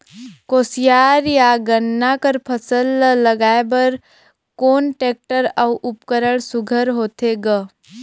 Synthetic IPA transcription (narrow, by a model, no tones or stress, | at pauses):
koːsijaːɾjaɡənːakəɾpʰəsəlːəɡaːebɐɾ | koːnʈeːk̚ʈəɾəwʔʊpkəɾəɽsʊɡʱəɾɦoːt̪ʰeɡə